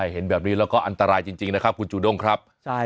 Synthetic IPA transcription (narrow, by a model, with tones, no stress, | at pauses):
a˥˩jɦe˩˦nbɛː˨˩p̚ni˦˥lɛː˦˥wkɔː˥˩ʔa˧nt̪a˧ɾaː˧jt͡ɕi˧ŋt͡ɕi˧ŋna˦˥kʰa˦˥p̚kʰu˧nt͡ɕuː˧˩do˥˩ŋkʰɾa˦˥p̚